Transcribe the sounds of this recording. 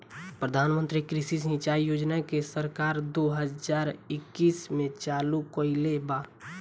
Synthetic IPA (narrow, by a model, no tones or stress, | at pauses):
pɾəd̪ʱaːnmə̃nt̪ɾikɾisis̬ə̃ɪt͡ʃaːijoːd͡ʒnakesəɾkaːɾd̪oɦəzaːɾɪkːiːsmẽt͡ʃaːlukoɪlebaː